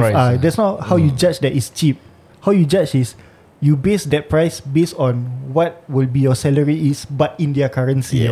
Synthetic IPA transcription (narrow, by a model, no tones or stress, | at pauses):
adɛtsnɔt̚hawjud͡ʒat͡ʃdɛtist͡ʃip̚ | hawjud͡ʒat͡ʃis | jubesdɛt̚pɹaɪsbestɔ̃nwɔt̚wilbijɔsɛləɹiisbatĩndiakaɹə̃nsi